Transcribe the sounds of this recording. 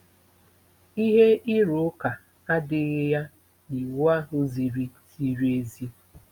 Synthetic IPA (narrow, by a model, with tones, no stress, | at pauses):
i˦ɦe˦i˦ɾo˨˦ka˨ | a˦dɪ˦ɣɪ˦ja˦ | ni˨wa˦ɦʊ˦zi˨ɾi˦zi˦ɾi˦e˦zi˦